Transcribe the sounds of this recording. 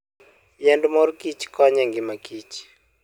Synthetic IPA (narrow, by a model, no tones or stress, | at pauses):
jɛndmɔrkit͡ʃkɔɲɛŋɡɪmakit͡ʃ